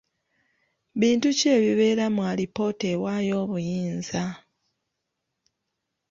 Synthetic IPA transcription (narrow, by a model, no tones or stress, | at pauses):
βiːntuce̞ːβiβe̞ːɾamwaːlipo̞tewaːjo̞ːβujiːnza